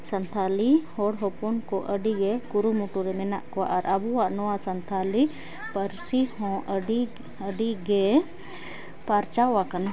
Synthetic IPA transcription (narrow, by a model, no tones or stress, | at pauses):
sənt̪ʰalihɔɽɦɔpɔnkɔʔəɖiɡɛkuɾumuʈuɾɛmɛnaʔkɔa̰ʔaɾʔabuwaʔnɔwasənt̪ʰali | pəɾsihɔ̃ɖi | əɖiɡɛ | paɾt͡ʃawakana